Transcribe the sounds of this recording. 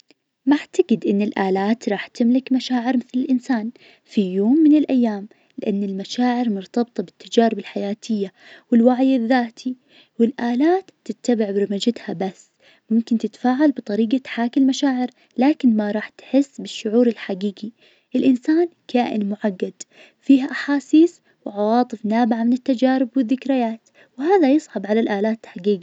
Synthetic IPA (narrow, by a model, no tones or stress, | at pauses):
maʕt̪aɡɪd̪ʔɪnːɪlʔaːlaːt̪ɾˤɑːħt̪ɪmlɪkmaʃaːʕɪɾmɪθlɪlʔɪnsaːn | fijoːmːɪnɪlʔajːaːm | lɪʔanːɪlmaʃaːʕɪɾmʊɾt̪ɑbt̪ˤɑbɪt̪ːad͡ʒaːɾɪbɪlħajaːt̪ʰɪjːa | wɪlwaʕjɪðːaːt̪ʰi | wɪlʔaːlaːt̪ːɪt̪ːabɪʕbɪɾɪmad͡ʒat̪habasː | mʊmkɪnt̪ɪt̪faːʕalbɨt̪ˤɑɾiːɡat̪ħaːkɪlmaʃaːʕɪɾ | laːkɪnmaɾˤɑːħt̪ħɪsːbɪʃːʊʕuːɾɪlħaɡiːɡi | ʔɪlʔɪnsaːnkʰaːʔɪ̰nmʊʕaɡːad̪ | fiːɦaʔaħaːsiːs | wʕɑwɑːt̪ˤɨfnaːbɪʕamɪnɪt̪ːad͡ʒaːɾɪbwɪðːɪkɾɪjaːt̪ | wɪhaːðajɨsˤʕɑbʕalalʔaːlaːt̪ħaɡiːɡi